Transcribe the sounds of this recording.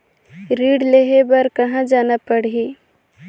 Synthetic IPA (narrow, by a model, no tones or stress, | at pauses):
ɾiːɖleɦebɐɾkɐɦãd͡ʒaːnapəɽɦi